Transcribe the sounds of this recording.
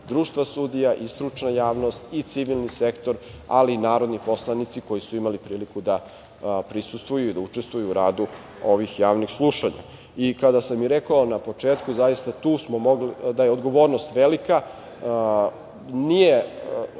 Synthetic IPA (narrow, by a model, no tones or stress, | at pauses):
d̪ɾuːʃt̪ʋasud̪ijaʔist̪ɾut͡ʃnajaːʋnost̪it̪siʋilˠnisekt̪o̞ɾ | a̰liːnaːɾo̞d̪nipo̞slˠanit̪siko̞jisuimalipɾiːlikud̪a | pɾisust̪ʋujuud̪aut͡ʃest̪vujuːɾaːd̪u | o̞ʋixjaːʋnixsluʃaɲa̰ | ikad̪asamiɾekaonapo̞t͡ʂeːt̪kuzajist̪at̪uːsmomo̞ɡlid̪ajeo̞d̪ɡo̞ʋo̞ːɾnost̪ʋelika | nije